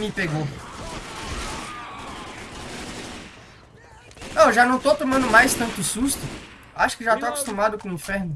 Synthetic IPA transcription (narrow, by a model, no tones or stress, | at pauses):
mɪpeɡo | oʒanɐ̃w̃t̪owt̪õmɐ̃nd̪ʊmajst̪ɐ̃nt̪ʊsust̪ʊ | aʃʊ̥kɪʒat̪owaku̥st̪ũmad̪ʊkõĩfɛɾnʊ